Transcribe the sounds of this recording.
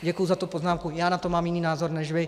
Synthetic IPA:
ɟɛkujuzat̪upoznaːmkujaːnat̪omaːmjɪniːnaːzoɾnɛʒʋɪ

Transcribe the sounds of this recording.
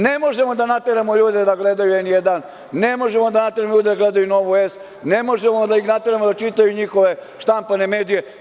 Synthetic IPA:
ne̞mo̞ʒe̞mo̞d̪anat̪eɾamoʎuːd̪ed̪aɡled̪ajuenjed̪an | ne̞mo̞ʒemo̞d̪anat̪eɾamʎuːd̪ed̪aɡled̪ajuno̞ʋues | ne̞mo̞ʒemod̪aixnat̪e̞ɾamod̪at͡ʃit̪ajuɲixo̞ʋe̞ʃt̪ampane̞me̞ːd̪ije̞

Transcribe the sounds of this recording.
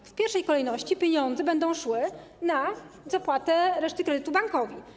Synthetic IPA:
fpʲjɛɾfʂɛjkɔlɛjnɔɕt͡ɕipʲjeɲɔnd̪zɛbɛnd̪ɔ̃w̃ʂwɘ | na | zapwat̪ɛɾɛʂt̪ɘkɾɛd̪ɘt̪ubaŋkɔvʲi

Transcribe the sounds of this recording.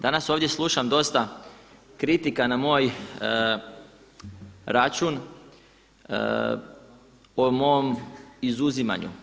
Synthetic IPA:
d̪anaso̞ːʋd̪je̞slˠuʃamd̪o̞st̪a | kɾit̪ikanamo̞ːj | ɾat͡ʃun | omo̞omizuzima̰ɲṵ

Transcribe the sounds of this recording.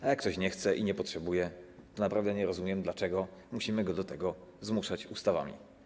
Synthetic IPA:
ajakːt̪ɔɕɲɛxt̪sɛʔiɲɛpɔtʂɛbujɛt̪ɔnapɾavd̪ɛɲɛɾɔzumʲjɛmd̪lat͡ʂɛɡɔmuɕimɘɡɔd̪ɔt̪ɛɡɔzmuʂat͡ɕust̪ava̰mʲḭ

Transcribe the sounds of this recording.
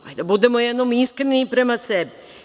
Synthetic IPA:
a̰jd̪abud̪emojed̪nomiskɾenipɾemasebi

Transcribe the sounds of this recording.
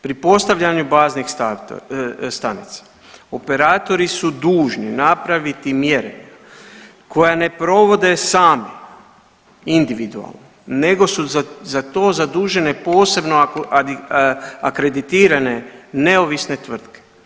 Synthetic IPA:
pɾipo̞st̪aʋʎaɲubaːznixs | st̪anit̪sḁ | o̞pe̞ɾaːt̪o̞ɾisud̪uːʒninapɾaʋit̪imje̞ɾḛ | kʰo̞jane̞pɾo̞ʋo̞d̪e̞saːme | ind̪iʋid̪ua̰lˠnone̞ɡo̞suzat̪o̞ːzad̪uːʒe̞ne̞po̞ːse̞bno | akɾe̞d̪it̪iːɾane̞ne̞o̞ʋisne̞t̪ʋr̩t̪ke̥

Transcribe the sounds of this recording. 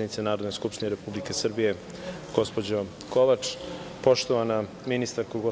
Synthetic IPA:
ed̪nit̪senaːɾod̪noskupʃt̪ineɾe̞publike̞sr̩bije̞ | ɡ̥o̞spo̞d͡ʑo | koʋat͡ʂ | po̞ʃt̪oʋana | minist̪aɾkouɡo

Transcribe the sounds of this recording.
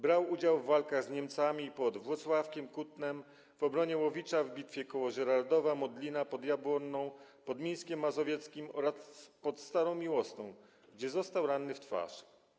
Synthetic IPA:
bɾawud͡ʑawvːalkaɣzɲɛmt̪samʲipɔd̪vwɔt̪swafkʲɛmkut̪nɛm | v̥ɔbɾɔɲɛwɔvʲit͡ʂavbʲit̪fʲjɛkɔwɔʐɛɾaɾd̪ɔvamɔd̪lʲinapɔd̪jabwɔnːɔ̃w̃pɔd̪mʲej̃skʲɛmːazɔvʲjɛt̪skʲimɔɾaspɔt̪st̪aɾɔ̃w̃mʲiwɔst̪ɔ̃w̃ | ɡd͡ʑɛzɔst̪awɾanːɘft̪fa̰ʂ

